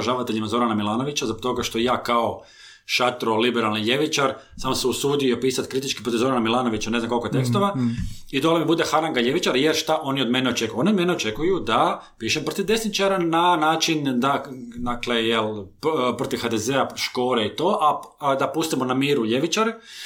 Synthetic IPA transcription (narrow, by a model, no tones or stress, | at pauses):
ʒaːʋat̪eʎimazo̞ɾanamilˠaːno̞ʋit͡ɕazbok̚t̪o̞ɡaʃt̪o̞jaːkao | ʃat̪ɾolibeɾalˠniʎe̞ʋit͡ʃaɾ | saːmoseusuːd̪ijopiːsat̪kɾit̪it͡ʃki̥pɾot̪iʋzo̞ɾanamilˠaːno̞ʋit͡ɕaneznamkolkot̪e̞kst̪oʋaid̪olemibud̪exaɾaŋɡaʎe̞ʋit͡ʃaɾjeɾʃt̪aʔo̞nio̞d̪meneot͡ʃe̞kuoniod̪meneot͡ʃe̞kujud̪a | piːʃempɾot̪iʋd̪e̞snit͡ʃaɾananaːt͡ʃind̪ad̪aklejelpɾot̪iʋxad̪ezeaʃko̞ːɾeit̪o̞ːʔa | d̪apust̪imonamiːɾuʎeʋit͡ʃaɾ